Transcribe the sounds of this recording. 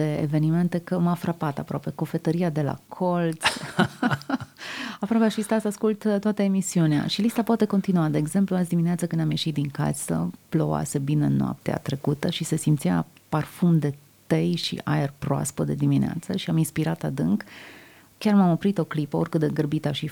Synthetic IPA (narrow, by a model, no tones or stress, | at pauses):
eḛve̞nime̞nt̪e̞kəmafɾapat̪apɾoape̞ko̞fe̞t̪əɾiad̪e̞la̰kʰo̞lt̪s | apɾwapeaʃist̪asaskult̪t̪ːoat̪əemisiunea̰ʃilist̪apoat̪e̞ko̞nt̪inuad̪e̞ːɡze̞mpluasd̪imineat̪səkɨnd̪amje̞ʃit̪̚d̪iŋka̰sə̰ploa̰se̞binenːoa̰p̚t̪ea̰t̪ɾe̞kut̪əʃise̞simt̪sia̰parfumd̪e̞ | t̪ejʃḭʔa̰erpɾoa̰spəd̪e̞d̪iminea̰t̪səʃiaminspiɾat̪ad̪ɨŋk | kʲarmamopɾit̪o̞klipəo̞rkɨt̪d̪eɡərbit̪aʃi